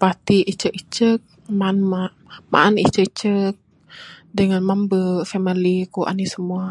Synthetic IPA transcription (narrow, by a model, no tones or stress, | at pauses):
pat̪iʔit͡ʃəkit͡ʃək̚ | manma | ma̰ʔanit͡ʃət͡ʃək̚ | dəŋanmambəfamilikuʔa̰nisəmua